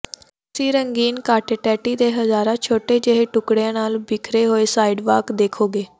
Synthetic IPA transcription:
siːɾəŋɡiːnkaːʈːʈɛːʈiːd̪eːɦəzaːɾãːt͡ʃʰoːʈeːd͡ʒəɦeːʈʊkɽejãːnaːlbɪkʰɾeːɦoːeːsaːiɖʋaːkd̪eːkʰoːɡeː

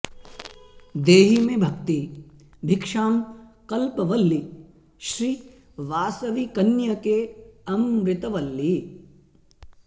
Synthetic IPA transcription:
d̪eːɦimebʱɐkt̪i | bʱɪkʂaːmkɐlpɐʋɐlːi | ʃɾiː | ʋaːsɐʋikɐnjɐkeɐmɾɪt̪ɐʋɐlːi

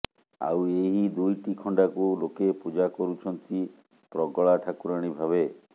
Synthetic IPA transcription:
a̰weɦid̪ujʈikʰɔɳɖakulokepud͡ʒakɔɾut͡ʃʰɔnt̪i | pɾɔɡɔɭaʈʰakuɾaɽ̃ibʱaβe

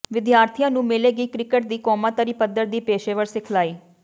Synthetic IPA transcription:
ʋɪd̪jaːɾt̪ʰijãːnũːmɪleːɡiːkɾɪkəʈ̚d̪iːkɔːmãːt̪əɾiːpəd̪ːəɾd̪iːpeːʃeːʋəɾsɪkʰlaːiː

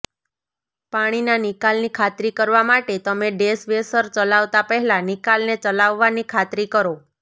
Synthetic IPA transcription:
paɽ̃inanikalnikʰat̪ɾikəɾʋamaʈet̪əmeɖesʋesəɾt͡ʃəlaʋt̪apəɦɛlãnikalnet͡ʃəlaʋːanikʰat̪ɾikəɾo

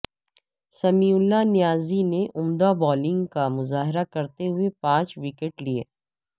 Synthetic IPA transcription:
sɐmiːʊlːanɪjaːzineʔʊmd̪abɔːlɪ̃ŋɡkamʊzaːɦɪɾakɐɾt̪eɦʊepãːt͡ʃwɪkeʈliḛː

